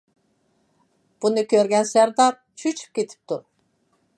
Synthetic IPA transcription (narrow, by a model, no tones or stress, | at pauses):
b̥unukʰøɾɡʲænsæɾd̪aɾ | t͡ʃʰyt͡ʃʰp̚kʲet̪ʰi̥p̚t̪ʰuɾ